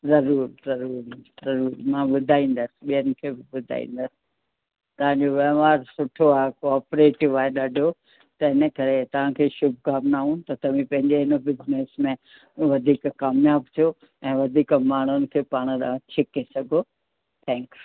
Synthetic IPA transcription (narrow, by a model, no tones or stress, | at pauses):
zɐɾuːɾzɐɾuːɾzɐɾuːɾmãɓʊd̪ʱaːĩːn̆d̪əsɪ̥ɓijənɪ̆kʰeːbɪɓʊd̪ʱa̰ːḭ̃ːn̆d̪əsɪ̥ | t̪ɐʋ̤ãɲd͡ʑoʋeɦmaːɾsʊʈʰoaːɦekɔːpɾeːʈɪʋaːeɗɐɖʱo | t̪ɐɦɪnə̆kɐɾet̪ɐʋ̤ãkʰeːʃʊbʱkaːmnaːɦũt̪ɐt̪ɐʋ̤ĩpɐ̃ɦɪ̃ɲd͡ʑeɦɪnəbɪzneːsmẽ | ʋɐd̪ʱiːkkaːmjaːbt̪ʰijo | ɛ̃ːʋɐd̪ʱiːkmaːɳ̤̃ʊnɪ̆kʰeːpaːɽ̃ɗatʰɪkesɐɡʱo | t̪ʰɛ̃ːŋkju